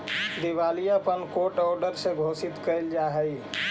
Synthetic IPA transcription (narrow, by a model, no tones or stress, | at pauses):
d̪iʋaːlijapənkoːʈɔːɾɖəɾseɡʱoːsɪt̪kəld͡ʒaɦəi